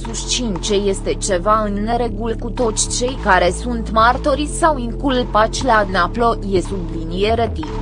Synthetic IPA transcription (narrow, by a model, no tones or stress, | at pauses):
sust͡ʃint͡ʃe̞je̞st̪e̞t͡ʃe̞vaɨnːe̞ɾe̞ɡulkut̪o̞t̪sʲt͡ʃe̞jkaɾe̞sunt̪mart̪oɾisawiŋkulpat͡ʃʲlanaplo̞je̞sublinije̞ɾet̪i